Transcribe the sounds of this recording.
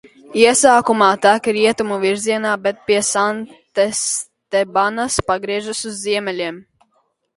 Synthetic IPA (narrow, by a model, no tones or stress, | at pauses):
iɛsaːkumaːt̪ækɾiɛt̪umuviɾziɛnaːbɛt̪̚pʲiɛsant̪es | t̪ɛbanaspaɡɾiɛʒasuzːiɛmɛlʲiɛm